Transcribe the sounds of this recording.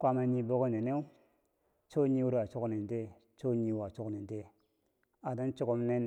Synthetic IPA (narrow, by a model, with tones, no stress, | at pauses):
kʷa˦ma˨ɲi˦bo˦ko˦ne˨ne˦u˦ | t͡ʃo˦ɲi˦wu˦ɾwa˨t͡ʃu˦kne˨n˨de˦ | t͡ʃo˦ɲi˦wa˨t͡ʃu˦kne˨n˨de˦ | a˨da˦nt͡ʃu˦ku˦mne˦n